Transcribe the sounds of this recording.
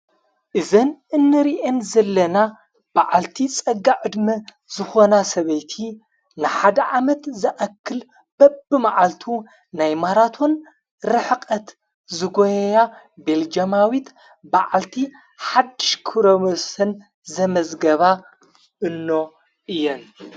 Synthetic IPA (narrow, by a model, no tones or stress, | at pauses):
ʔɨzɐnɨnːɨɾiʔenzɐlːɐna | b̥aʕalt̪ʰit͡sʼɐɡːaʔɨd̪mɐ | zɨxonasɐβɐjt̪ʰi | nɨħad̪ɐʕamɐt̪zɨʔɐkːɨl | b̥ɐbɨmaʕalt̪ʰu | najmaɾat̪ʰo̞n | ɾɨħkʼɐt̪ | zɨɡojɐja | beld͡ʒɐmawit̪ | baʕalt̪ʰi | ħad̪ːɨʃkʰɨɾomosɐn | zɐmɐzɡɐβa | ʔɨnːo̞ | ʔɨjːɛn